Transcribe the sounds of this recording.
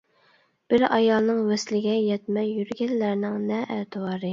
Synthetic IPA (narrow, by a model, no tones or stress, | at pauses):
b̥ɪɾɑjɑlˠnɨŋvɛslɪɡʲɛjɛt̪mɛjjyɾɡʲɛllæɾnɪŋnɛʔæt̪ʰɨwɑːɾɨ